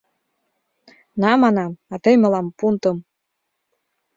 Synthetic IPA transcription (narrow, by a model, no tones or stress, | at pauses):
nɑmɑnɑmɑt̪ɤjmɤ̆lɑmpunt̪ɤ̆m